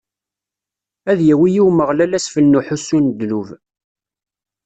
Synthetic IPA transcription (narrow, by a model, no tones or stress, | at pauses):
æðjæwijiwməʁlælæsfəlnuħusund̪luv